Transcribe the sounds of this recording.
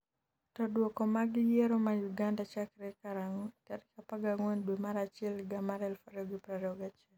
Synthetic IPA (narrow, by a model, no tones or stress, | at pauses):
tɔdwɔkɔmaɡɪjɛɾɔmajuɡandat͡ʃakɾɛkaɾaŋokaɾkapaɡaŋonbimaɾat͡ʃɪɛlɡamaɾɛlfaɾoɡipɾaɾɔɡat͡ʃɪɛl